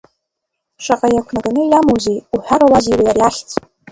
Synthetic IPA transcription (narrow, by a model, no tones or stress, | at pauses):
ʃaqʼajakʷʰnaranɨjamowzejuħʷᶣaɾolaziwajarjaχʲt͡sʰʼ